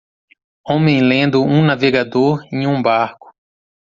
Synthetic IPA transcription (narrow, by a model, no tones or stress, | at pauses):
õmẽj̃lẽnd̪ʊũnaveɡad̪oɾẽj̃ũbaɾkʊ̥